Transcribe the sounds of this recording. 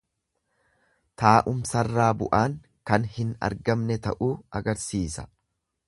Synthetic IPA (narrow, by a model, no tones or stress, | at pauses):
t̪aːʔʊmsɐrːaːbʊʔaːŋ | kɐnhɪnɐ̰ɾɡɐmnɛt̪ɐʔuːɐɡɐɾsiːsɐ̥̰